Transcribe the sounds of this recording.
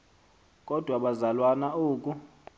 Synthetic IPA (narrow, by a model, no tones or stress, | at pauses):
kʼɔd̥ʱwaɓazalwanaoːkʼu